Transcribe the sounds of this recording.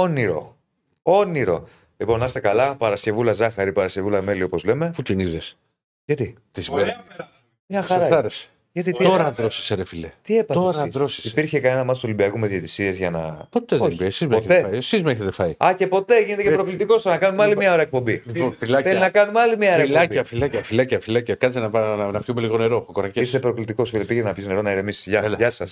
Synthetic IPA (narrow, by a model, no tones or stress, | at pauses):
oniɾo̞̰ | o̞niɾo̞̰ | lipo̞nɐst̪ekɐlɐpɐɾɐsce̞vulɐzɐxɐɾipɐɾɐsce̞vulɐme̞lio̞po̞zle̞me̞fut̪iniðes | ʝɐt̪i | t̪isibe | mɲɐxɾɐθɐɾese̥ | ʝɐt̪it̪ioɾɐðɾosi̥seɾefilet̪iepɐoɾɐðɾosi̥sipiɾçe̞kɐne̞nɐmɐt̪oso̞libiɐkumeðiet̪isiezʝɐnɐ̰po̞t̪eðoelibiesizmoet̪eɐiesizmeçet̪efɐiɐce̞po̞t̪e̞ʝinet̪eepɾoklit̪iko̞st̪nɐkɐnumeɐlimɲɐoɾeɐek̚po̞mbiliponfilɐθelinɐkɐnumeɐlimiɐeɾelɐbiɐfilɐcɐfilɐcɐfilɐcɐkɐt͡senɐpɐnɐpçumeliɣo̞neɾoxokoɾɐceist̪epɾo̞klit̪iko̞sfilepiʝenɐpçizne̞ɾo̞nɐiðemisi̥sʝɐelʝɐsɐs